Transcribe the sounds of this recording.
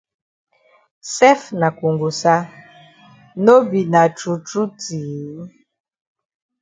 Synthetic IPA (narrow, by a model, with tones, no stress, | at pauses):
sɛ˦fna˨ku˨ŋɡu˨sa˦ | no˦bi˨na˨t͡ʃu˨t͡ʃu˦ti˨˦